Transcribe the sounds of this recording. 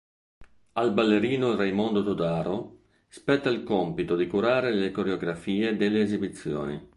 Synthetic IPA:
albalːeɾiːnoilrɛjmond̪ot̪od̪aːɾo | spɛt̪ːailkompit̪od̪ikuɾaːɾelekoɾeoɡɾafiːed̪elːeːzibit̪sːjo̰ːnḭ

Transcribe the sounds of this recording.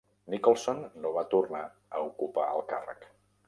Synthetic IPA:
nikolˠsonːoβat̪urna | əukupaə̰lˠkarə̰k

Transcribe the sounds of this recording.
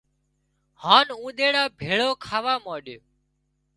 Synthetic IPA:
haːnũːɗ̪eːɽaːbʱeːɭoːkʰaːʋaːmaːɗjː

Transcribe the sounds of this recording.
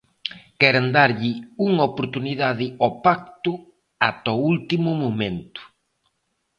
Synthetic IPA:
kɛɾand̪aɾʎɪuŋopoɾt̪uniðaðɪɔpak̚t̪ʊ | at̪ɔult̪imʊmomẽnt̪ʊ̥

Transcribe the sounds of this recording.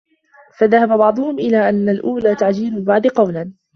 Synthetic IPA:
faðahababɑʕd̪ˤʊhʊmʔɪlaːʔanːalʔuːlaːt̪aʕd͡ʒiːlʊlbɑʕd̪qɑwlan

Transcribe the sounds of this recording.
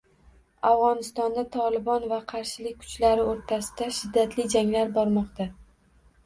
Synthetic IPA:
avʁɒnɪst̪ɒnd̪at̪ʰɒlɪbɒnvaqʰɑɾʃɪlɪk̚ʲkʰʊ̥t͡ʃlaɾɪoɾt̪ʰasɪ̥d̪̥aʃɪd̪ːat̪lɪd͡ʒaŋlaɾbɒɾmɒqt̪a

